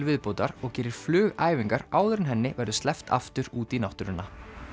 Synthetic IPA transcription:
lvɪðpowt̪aɾɔɣcɛːɾɪɾ̥flʏːɣaːjviŋkaɾaːwðʏɾɪnɦɛnːɪvɛɾðʏst̪lɛft̪ʰa̰ft̪ʏɾuːt̪inawht̪ʏɾʏnːa

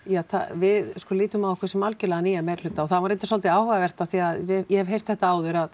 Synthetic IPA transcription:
jaθa̰vɪðskɔːliːt̪ʏmaðɔkʰɪsɛmalcɪlɛɣaniːjamejɾ̥lʏt̪ːaɔθaðvaɾent̪ɪsɔlt̪ɪaːwhaɣavɛr̥t̪aθiaðɪjɛhɛvɦejst̪θɛht̪aaːwðʏɾað

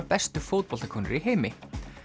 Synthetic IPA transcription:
pɛst̪ʏfoːwt̪̚pɔlt̪akʰɔːnʏ̰ɾiɦeːjmɪ

